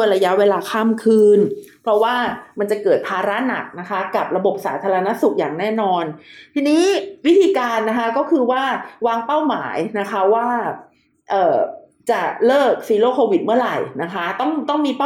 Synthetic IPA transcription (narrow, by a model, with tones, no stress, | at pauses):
u˥˩əjɾa˧ja˦˥ʔweː˧laː˧kʰaː˥˩mkʰɯː˧npʰɾɔ˦˥waː˥˩ma˧nt͡ɕa˨˩kɤː˨˩t̪̚pʰaː˧ɾa˦˥na̰˨˩k̚na˦˥kʰa˦˥ka˨˩p̚ɾa˧bo˨˩p̚sa̰ː˩˦t̪ʰaː˧ɾa˧na˦˥su˨˩k̚jaː˨˩ŋnɛː˥˩nɔː˧nt̪ʰiː˧niː˦˥wi˦˥t̪ʰiː˧kaː˧nːa˦˥kʰa˦˥kɔː˥˩kʰɯː˧waː˥˩waː˧ŋpa˥˩wma̰ː˩˦jna˦˥kʰa˦˥waː˥˩ | ʔɤː˨˩ | t͡ɕa˨˩lɤː˥˩k̚siː˧loː˥˩kʰoː˧wi˨˩t̪̚mɯ˥˩ɐɾa̰˨˩jna˦˥kʰa˦˥t̪ɔ˥˩ŋt̪ɔ˥˩ŋmiː˧pa˥˩